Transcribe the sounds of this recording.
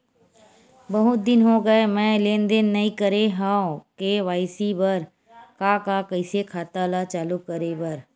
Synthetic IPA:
bɐɦʊt̪̚d̪ɪnɦoɡəemɛ̃ːleːnd̪enːɐĩkəɾeɦãkeʋaːɪsibɐɾ | kakakəɪsekʰaːt̪alat͡ʃaːlukəɾebɐɾ

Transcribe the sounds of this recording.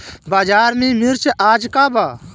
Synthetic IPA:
baːd͡ʒaːɾmĩːmiɾt͡ʃeʔaːd͡ʒkaːbaː

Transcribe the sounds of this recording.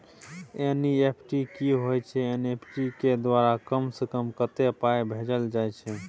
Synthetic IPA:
eniepʰʈikiɦojt͡ʃʰɛenepʰʈiked̪ʋaɾakəmsekəmkət̪epajbʱed͡ʒəld͡ʒajt͡ʃʰɛ

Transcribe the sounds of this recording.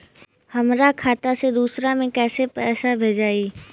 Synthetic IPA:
həmɾakʰaːt̪ased̪uːsɾamẽkɛːsepɛːsabʱed͡ʒaːiː

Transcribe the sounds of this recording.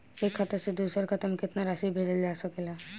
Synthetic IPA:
ekʰːat̪ased̪usɔɾkʰat̪amikʰet̪naɾaʃibeɾeleaʃokela

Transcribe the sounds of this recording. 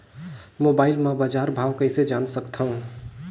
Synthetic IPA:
mobaːɪlmẽbad͡ʒaɾbʱaːwkəɪsed͡ʒansəkt̪ʰəũ

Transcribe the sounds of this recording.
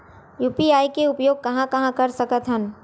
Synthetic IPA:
juːpiaːikeʊpjoːɡ̚kɐɦãkɐɦãkɐɾsəkət̪ɦən

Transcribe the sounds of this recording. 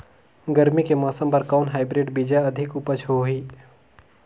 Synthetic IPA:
ɡəɾmikemaːsə̃mpɐɾkaːnɦaːɪbɾeːɖbiːd͡ʒaɐd̪ʱɪkʊpət͡ʃʰɦoiː

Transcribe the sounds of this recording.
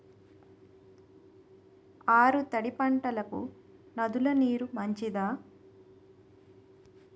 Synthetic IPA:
aːɾut̪ɐɽipɐɳʈɐlɐkṵ | nɐd̪ulɐniːɾumɐɲt͡ʃid̪aː

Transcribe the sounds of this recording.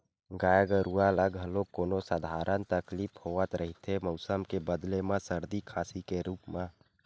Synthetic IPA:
ɡaːjəɡəɾualəɡɦəlokːoːnosəd̪ʱaːɾənt̪əklipʰhoːət̪ɾʔəɦit̪ʰemɔʊsəmkebəd̪lemãsəɾd̪ikʰaːsikeɾuːpmã

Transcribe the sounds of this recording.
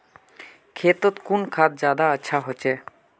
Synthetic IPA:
kʰet̪ot̪kunkʰat̪̚d͡ʑad̪aaːʃʰaɦot͡ɕʰe

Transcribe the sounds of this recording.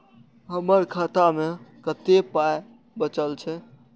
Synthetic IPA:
ɦəməɾkʰat̪amekət̪epaj | bət͡ʃəlt͡ʃʰɛ

